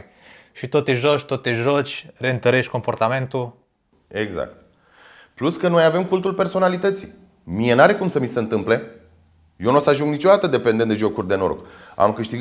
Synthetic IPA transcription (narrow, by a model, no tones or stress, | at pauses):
ʃit̪ot̪eʒoʃʲt̪ot̪eʒo̞t͡ʃʲre̞ɨnt̪əɾe̞ʃt̪ʲko̞mpo̞rt̪ame̞nt̪u | eɡza̰k̚t̪̚ | pluskənojave̞mkult̪ulpe̞rso̞nalit̪ət̪sḭ | mije̞naɾe̞kumsəmiseɨnt̪ɨmple̞ | jonusəaʒuŋɡnit͡ʃo̞d̪at̪əd̪e̞pend̪end̪e̞ʒo̞kurʲd̪e̞noɾo̰ka̰mkɨʃt̪iɡ